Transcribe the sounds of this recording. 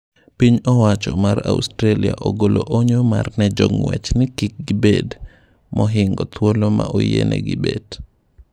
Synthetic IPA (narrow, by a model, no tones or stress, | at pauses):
piɲɔwat͡ʃɔmaɾa̰ustɾeliaʔoɡoloʔoɲomarnɛd͡ʒoŋwɛt͡ʃnɪkɪk̚ɡɪbed | mɔɦɪŋɡɔt̪ʰwolomaʔojḛnʔɛ̰ɡibed̥